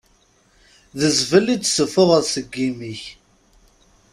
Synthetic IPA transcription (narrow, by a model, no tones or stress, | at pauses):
ðəzvəlːit͡sːsəfʊʁəðsəɡːimiç